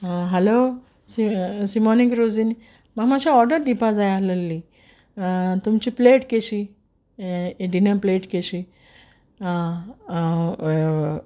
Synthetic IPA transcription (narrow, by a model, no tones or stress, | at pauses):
ɦɛlo | sisimɔnikɾod͡zini | maɡmaɕʰaɔɾɖəɾd̪ipʰad͡zajaləlːi | t̪umt͡ɕipleʈkeɕi | eɖinəpleʈkeɕi